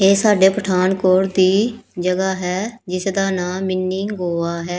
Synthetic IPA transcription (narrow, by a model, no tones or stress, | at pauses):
eːsaːɖeːpəʈʰaːnkoːɾd̪iːd͡ʒəɡaːɦɛːd͡ʒɪsd̪aːnaːmːɪnːiːɡoːaːɦɛː